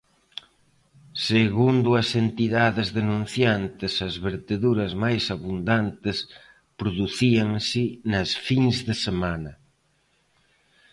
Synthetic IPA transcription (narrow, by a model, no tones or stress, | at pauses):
seɣund̪ʊɐsent̪iðaðɪzðenũn̟θjant̪ɪsɐzβeɾt̪eðuɾɐzmajsaβund̪ant̪ɪs | pɾoðuθiɐŋsinɐsfiŋzðɪsemanɐ